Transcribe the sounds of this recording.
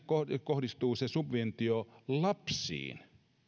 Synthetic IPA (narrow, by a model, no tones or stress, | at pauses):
kokohdist̪uːsesubʋent̪iolɑpsḭːn